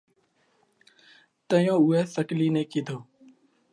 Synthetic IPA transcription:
t̪əjõːʊːeːsəʈliːnẽːkiːd̪ʱoː

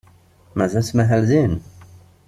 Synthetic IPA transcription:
mæzæsmæɦælzin

